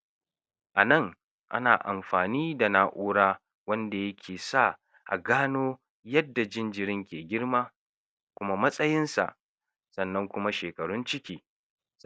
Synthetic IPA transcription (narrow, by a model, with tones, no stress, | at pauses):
ʔa˨nɐ˦˨ŋ | ʔa̰˦naː˨ʔa̰˨mɸaː˨niː˦da˨na˨ʔoː˦ɽaː˦ | wɐ˦nda˨jɐ˦kʲʰeː˨sa˦ | ʔa̰˨ɡaː˦noː˦ | jɐ˦dːa˨d͡ʒɪ˦nd͡ʒɪ˨ɾɪ˦ŋkʲeː˨ɡʲɪ˦ɽmaː˦ | kʷʊ˦ma˦mɐ˦sʼɐ˦jɪ˦nsa̰˨ʔ | sɐ˨nːɐ˦ŋkʷʊ˦ma˦ʃeː˨kɐ˨ɽʊ˦nt͡ʃɪ˦kʲiː˦